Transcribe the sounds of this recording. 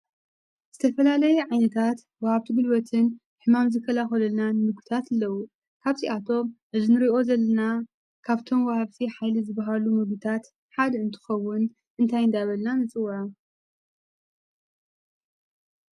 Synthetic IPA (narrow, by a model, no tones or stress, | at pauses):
z̥ɨt̪ʰɐfɐlalɐjuʕajnɐt̪ʰat̪ | wɐhaβt̪ʰiɡɨlwɐt̪ʰɨn | ħɨmamzɨkʰːɐlaxɐlɐlnanɨmɨɡut̪ʰat̪ɨlːɐwu | kʰaβt̪ʰiʔat̪ʰo̞mʔɨzinɨɾiʔo̞zɐlːɐna | kʰaβt̪ʰo̞mwɐhaβt̪ʰiħajlizɨbːaɦalumɨɡut̪ʰat̪ | ħad̪ɐɨnt̪ʰɨ̥xɐwːʊn | ʔɨnt̪ʰajɨnd̪aβɐlnanɨt͡sʼɨwɐʕa